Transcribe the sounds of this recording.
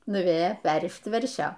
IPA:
nʊˈʋʲeːjoː ˈpʲɛrʲrʲɪʃt ˈʋʲɛrʲʃʲoː

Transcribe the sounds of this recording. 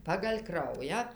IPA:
pɐɡɐlʲ ˈkrɐʊjæː

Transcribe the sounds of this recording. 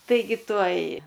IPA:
tɐɪˈɡʲɪ ˈtuɔj

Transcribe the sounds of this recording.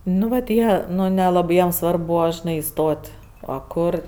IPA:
ˈnʊ ʋɐt ˈjiɛ ˈnʊ nʲɛˈlˠɑːbɜ ˈjiɛm ˈsʋɐrp ˈbuːʋɐ ʒʲɪˈnɐɪ ɪˈstoːtʲ ɐ ˈkʊr

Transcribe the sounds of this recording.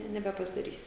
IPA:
ɪ nʲɛbʲɛpɐzdɐˈrʲiːsʲɪ

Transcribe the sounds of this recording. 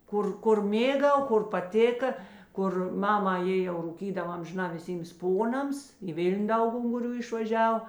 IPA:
ˈkʊr ˈkʊr ˈmʲeːˌɡɐʊ ˈkʊr pɐˈtʲeːkɐ ˈkʊr ˈmɑːmɐ ˈjeː jɛʊ ruːˈkʲiːdɐw ɐmʲʒʲɪˈnɑː ʋʲɪˈsʲiːms ˈpoːnɐms iː ˈʋʲɪlʲnʲ ˈdɐʊk ʊŋɡʊˈrʲuː ɪʃʋɐˈʒʲɛw

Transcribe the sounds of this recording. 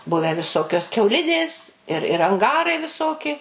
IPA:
ˈbʊʋʲæː ʋʲɪˈsoːkʲoːs kʲɛʊˈlʲɪdʲeːs ɪr ɪr ɐŋˈɡɑːrɐɪ ʋʲɪˈsoːkʲɪ

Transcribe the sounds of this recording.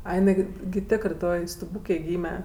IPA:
ˈɐɪ jɪˈnɐɪ ɡʲɪ ɡʲɪ ˈtʲeːkrɜ ˈtoːj stʊˈbuːkʲeːj ˈɡʲiːmʲɛ

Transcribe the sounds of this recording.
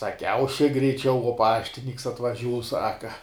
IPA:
sɐˈkʲɛʊ ʃʲɪk ɡrʲɛɪˈt͡ʃʲɛʊ uɔ ˈpɑːʃʲtʲɪnʲiːks ɐtʋɐˈʒʲuːs ˈsɑːkɐ

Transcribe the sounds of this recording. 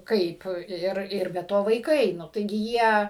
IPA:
ˈkɐɪp ˈɪr ɪr bʲɛ ˈtoː ʋɐɪˈkɐɪ ˈnʊ tɐɪˈɡʲɪ ˈjiɛ

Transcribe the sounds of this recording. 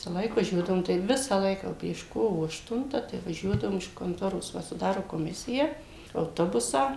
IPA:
ˈʋʲɪsɐlˠɐɪk ʋɐˈʒʲuɔdɐʋʊm tɐɪp ˈʋʲɪsɐ ˈlˠɐɪkɐ jɛʊ pʲrʲiɛʃ ˈkoːʋoː ɐʃˈtʊntɐ tɐɪ ʋɐˈʒʲuɔdɐʋʊm ɪʃ koːnˈtoːroːs ˈʋɐ sʊˈdɑːroː koːˈmʲɪsʲɪjæː ɐʊˈtoːbʊsɑː

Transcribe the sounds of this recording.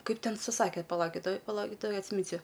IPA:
ˈkɐɪp ˈtʲɛn sʊˈsɑːkʲeː pɐˈlˠɐʊkʲɪt ˈtoːj pɐˈlˠɐʊkʲɪt ˈtoːj ɐtʲsʲɪˈmʲɪnʲsʲʊ

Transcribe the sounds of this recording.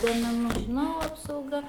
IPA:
duɔmʲɛˈnʊ ʒʲɪˈnɐʊ ɐpsɐʊˈɡɐ

